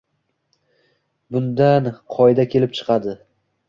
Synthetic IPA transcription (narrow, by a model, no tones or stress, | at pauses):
bʊnd̪anqʰɒjd̪akʲʰe̞lɪp̚t͡ʃʰɨ̥qɑd̪ɪ